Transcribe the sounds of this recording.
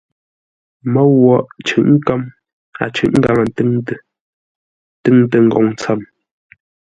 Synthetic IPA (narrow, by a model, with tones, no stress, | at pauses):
mə˦ɣwɔ˨ʔt͡ʃʉ̰˨ʔŋ̩˦ka˦m | a̰˨t͡ʃʉ˨ʔŋ̩˦ɡa˨ŋə˨ntŋtə˦ | tɨ˦ŋ˦tə˨ŋ̩˨ɡɔ˨ŋ˦t͡sa˦˨m